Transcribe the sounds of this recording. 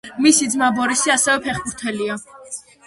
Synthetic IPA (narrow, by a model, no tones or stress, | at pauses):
misid̪zmabɔɾisiasɛvɛpʰɛχbuɾt̪ʰɛlia